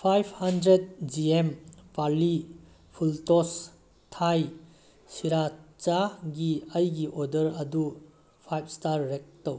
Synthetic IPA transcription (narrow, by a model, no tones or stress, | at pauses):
pʰajpʰhɐndɾed̚d͡ʒiempaɾli | pʰultɔs | tʰaj | siɾat͡ʃaɡiɐjɡiʔodəɾɐdu | pʰajp̚ʰstaɾːek̚tɐw